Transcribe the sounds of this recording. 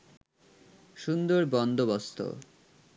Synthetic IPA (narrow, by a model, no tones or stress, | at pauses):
ʃund̪oɾbɔnd̪obost̪ʰo̰